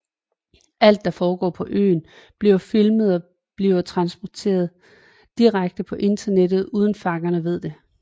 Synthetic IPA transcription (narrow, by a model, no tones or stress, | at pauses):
ʔæl̰d̥ːɑ̈fɒːɡ̥ɒ̰ːpʰɒ̽ʔø̰ːn | b̥liʊfilməð̞ˠɒ̽ | b̥liʊɐt͡sʰʁɑ̈nsb̥ɒt͡sʰe̝̰ːɐð̩ˠ | d̥iʁaɡ̥̚d̥əpʰɒ̽ʔe̝nd̥ɐned̥ð̩ˠuːð̞ˠn̩fɑ̈ɡ̥ɐnəʋe̝ð̞̰ˠd̥e̝